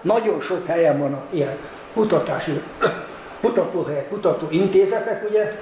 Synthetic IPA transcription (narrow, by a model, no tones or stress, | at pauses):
nɒɟonʃokhɛjɛɱvɒnːɒkijɛn | kut̪ɒt̪aːʃi | kut̪ɒkoɦɛɛkut̪ɒt̪oːint̪eːzɛt̪ɛkuɟɛ